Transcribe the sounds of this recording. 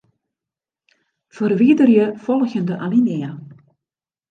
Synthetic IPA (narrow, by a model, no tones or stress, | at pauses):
fərʋiədərjəfɔlˠɣjəndəʔalinɪə